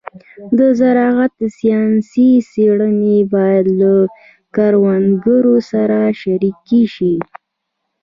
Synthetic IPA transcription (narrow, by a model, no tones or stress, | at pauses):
d̪əzaɾɑɣat̪̚əsijɑnsiseɽənebɑjad̪la | kaɾwanɡəɾosaɾaʃaɾikːeʃi